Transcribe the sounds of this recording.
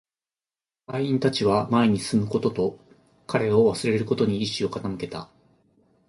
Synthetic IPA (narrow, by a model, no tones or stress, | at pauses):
haĩnt̪at͡ɕiβamae̞ɲ̟isɨmɯ̟ko̞t̪o̞t̪o̞ | kʰaɾe̞o̞βasɨɾe̞ɾeɾɯ̟ko̞t̪o̞ɲ̟iːɕio̞kat̪amɯ̟ke̞t̪a